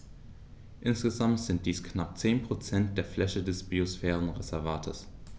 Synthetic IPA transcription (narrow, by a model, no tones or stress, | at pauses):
ʔɪnsɡ̥əzamtz̥ɪnt̚d̥iːsknap̚t͡seːnpʁ̥ot͡sɛnt̚d̥eːɐflɛçədɛsb̥iosfɛːʁ̞ənʁezɛɐvaːtʰə̰s